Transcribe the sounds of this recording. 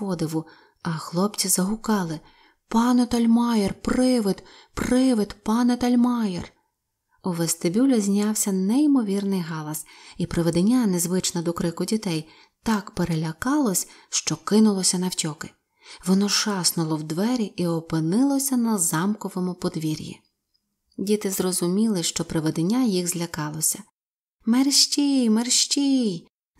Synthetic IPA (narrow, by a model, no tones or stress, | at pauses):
ɔd̪ɪʋʊ | ɐxlˠɔpt͡sʲizɐɦʊkɑlˠɪ | pɑnɛt̪ɐlʲmɑjɛrprɪʋɪd̪ | prɪʋɪd̪pɑnɛt̪ɐlʲmɑjḛr | ʊʋɐst̪ebʲulʲɐzʲnʲɑwsʲɐnɛimɔʋʲirnɪjɦɑlˠɐsipɾɪʋed̪enʲːanezʋɪt͡ʃnɐd̪ɔkɾɪkʊdʲit̪ɛj | t̪ɑkpeɾelʲɐkɑlˠɔsʲʃt͡ʃɔkɪnʊlˠɔsʲɐnɐwtʲɔkɪ̥ | ʋɔnɔʃɑsnʊlˠɔwd̪ʋɛɾʲiiɔpɪnɪlˠɔsʲɐnɐzɑmkɔʋɔmʊpɔd̪ʋʲiɾʲjḭ | dʲit̪ɪzɾɔzʊmʲilˠɪʃt͡ʃɔpɾeʋed̪enʲːajiɣzʲlʲɐkɑlˠɔsʲɐ | merʃt͡ʃʲijmerʃt͡ʃʲij